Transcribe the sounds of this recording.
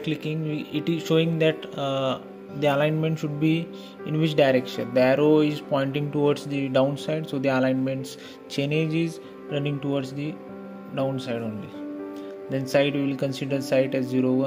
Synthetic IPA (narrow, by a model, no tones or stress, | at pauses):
klɪkɪ̃ŋʋiɪʈizʃoːɪ̃ŋd̪ɛʈ | d̪iɐlãɪ̃nmẽɳʈʃʊɖbi | ɪ̃nʋɪt͡ʃɖaɪɾekʃə̰̃nd̪əɛɾoɪzpɔ̃ɪ̃ɳʈɪ̃ŋɡʈuʋɔɾɖsd̪iɖãʊ̃nsaɪɖsoːd̪iɐlãɪ̃nmẽɳʈs | t͡ʃeːneːd͡ʒiz | ɾɐnɪ̃ŋɡʈuʋɔɾɖsd̪i | ɖãʊ̃nsaɪɖõːnli | d̪ɛ̃nsaɪʈʋiɪlkə̃nsɪɖəɾsaɪʈɛzziɾoʋə̃